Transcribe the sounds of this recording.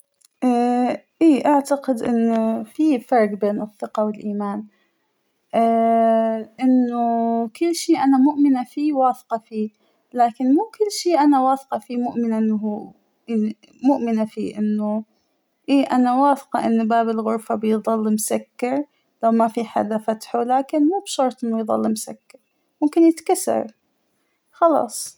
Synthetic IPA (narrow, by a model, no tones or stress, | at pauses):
ʔa | ʔiːʔaʕt̪aqɪd̪ʔɪ̰nːʊfifɑɾˤɡbeːnɨθːɪqɑwɪlʔiːmaːn | ʔ | ʔɪnːʊkʊlːʃiːʔanamʊʔmɪnafiːwaːθqɑfiː | laːkɪnmuːkʊlːʃiːʔanawaːθqɑfiːmʊʔmɪnaʔɪnːɦuː | ʔani | mʊʔmɪnafḭːʔɪnːu | ʔeːʔanawaːθqɑ̰ʔɪnːubaːbɪlɣʊɾfabɪjðˤɑlːɪmsakːɑɾˤ | lawmafiħa̰ːd̪afat̪ħulaːkɪnmuːbʃɑɾˤt̪ˤʔɪnːujðˤɑ̰lːɪmsa̰kːɑɾˤ | mʊmkɪnjɪt̪kasːɑ̰ɾ | xɑlɑ̰ːsˤ